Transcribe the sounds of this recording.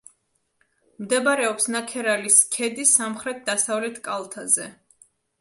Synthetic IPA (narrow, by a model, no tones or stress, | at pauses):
md̪ɛbaɾɛɔpsnakʰɛɾaliskʰɛd̪isamχɾɛt̪̚ʰd̪asavlɛt̪ʰkʼalˠt̪ʰazɛ